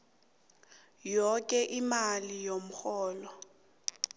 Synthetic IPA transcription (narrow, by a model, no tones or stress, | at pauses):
jɔkʼɛʔimalijom̩xɔːlɔ